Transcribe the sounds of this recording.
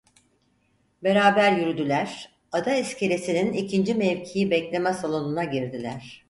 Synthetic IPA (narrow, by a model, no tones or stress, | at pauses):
be̞ɾaːbæɾjyɾyd̪ylʲæɾ̥ | ad̪aiscʰe̞ɾesininicʰind͡ʒimɛvcʰijibɛclʲe̞mɛsalˠo̞nunaɟiɾd̪ilʲæɾ̥